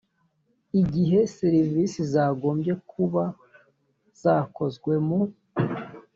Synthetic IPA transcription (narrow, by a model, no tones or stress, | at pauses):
iɟiɦe̞siɾiviːsizaːɡo̞ːmbje̞kʰuβa | z̥aːko̞zɡwe̞mu